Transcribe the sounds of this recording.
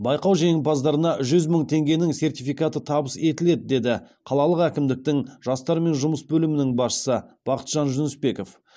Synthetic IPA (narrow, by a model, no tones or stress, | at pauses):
bɑjqɑwʒeŋɪpɑzd̪ɑɾənɑʒʏzməŋt̪ʰe̞ŋɡʲenɪŋse̞rt̪ifijkɑt̪ət̪ʰɑbəse̞t̪ɪle̞d̪ɪd̪e̞d̪ɪ | qʰɑlˠɑlˠəqækʲɪmd̪ɪk̚t̪ɪŋʒ̥ɑst̪ɑɾme̞nʒʊməsbɵlɪmɪnɪŋbɑsʃə̥səb̥ɑqə̥t̪ʒ̥ɑnʒʊnʏsbe̞ko̞f